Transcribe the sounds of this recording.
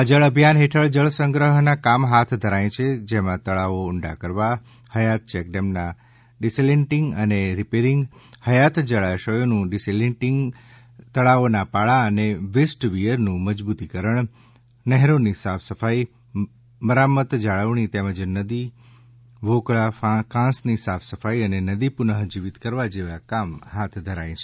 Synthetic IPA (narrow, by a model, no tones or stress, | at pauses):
əd͡ʒəɭəbʱjanɦeʈʰəɭd͡ʒəɭsə̃ŋɡɾəɦnakamɦat̪ʰd̪ʱəɾaj̃t͡ʃʰed͡ʒemãt̪əɭaoʊɳɖa̰kəɾʋa | həjat̪̚t͡ʃɛkɖemna | ɖiseleɳʈiŋɡəneɾipeɾiŋɡhəjat̪d͡ʒəɭaʃəjonũɖiseleʈiŋɡ | t̪əɭaonapaɭaəneʋesʈʋijəɾnũməd͡ʒbut̪ikəɾəɳ̃ | nɛɦɾonisafʰsəfai | məɾamət̪d͡ʒaɭəʋɳ̃it̪eməd͡ʒnəd̪i | ʋokɭafakãsnisafʰsəfaiənenəd̪ipunəɦd͡ʒiʋit̪kəɾʋad͡ʒeʋakamɦat̪ʰd̪ʱəɾaĩt͡ʃʰe